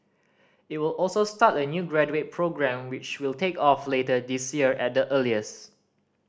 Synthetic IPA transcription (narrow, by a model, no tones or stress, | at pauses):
it̚wilɔlˠsostatənjuɡɹɛd͡ʒuet̚pʰɹoɡɹɛ̃mwɪt͡ʃwiltekɔfletədisjiəɹʔɛt̚dəʔəliəs